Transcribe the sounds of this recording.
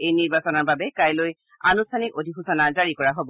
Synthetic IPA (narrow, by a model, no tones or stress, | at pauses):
ejniɹbasɔnɔɹbabɛkajloj | anustʰanikodʱixusanazaɹikɔɹaɦobɔ